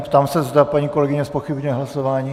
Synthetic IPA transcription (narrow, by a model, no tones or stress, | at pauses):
pt̪aːmsɛzd̪apaɲiːko̞lɛɡɪɲɛspoxɪbɲɛɦlasovaːɲiː